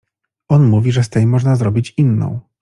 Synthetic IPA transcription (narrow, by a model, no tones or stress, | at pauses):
ɔnmuvʲiʐɛst̪ɛjmɔʐnazɾɔbʲit͡ɕinːɔ̰̃w̃